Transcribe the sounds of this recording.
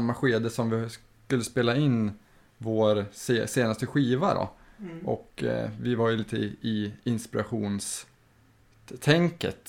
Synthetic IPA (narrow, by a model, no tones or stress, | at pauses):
mːaɧeːd̪əsɔmvɪs | kɵlːəspeːlaɪnː | voːɾseseːnast̪əɧiːvaɖɔ̰ʔɔ̰kvɪvaɾjɵliːt̪əɪɪnspɪɾaɧuːns | t̪ʰɛŋkə̰t̪